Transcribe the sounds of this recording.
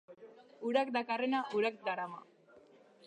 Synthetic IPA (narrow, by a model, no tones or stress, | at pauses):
uɾak̚d̪akarenaʔuɾak̚d̪aɾama̰